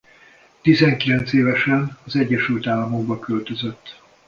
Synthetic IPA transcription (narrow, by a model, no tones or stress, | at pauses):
t̪izɛŋkilɛnt̪seːvɛʃɛnɒzɛɟːɛʃylt̪aːlːɒmo̞ɡ̚bɒkølt̪øzøt̪ː